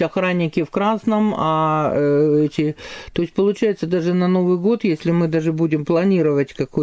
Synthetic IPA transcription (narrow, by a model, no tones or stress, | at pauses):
ɐxɾanʲːɪkʲɪfkɾasnəmɐ | ɛtʲɪt̪o̞ɪsʲtʲpəlˠʊt͡ɕæjɪt̪səd̪aʐɨnɐno̞vɨjɡo̞t̪jesʲlʲɪmɨd̪aʐɨbudʲɪmplˠɐnʲiɾɨvətʲkɐko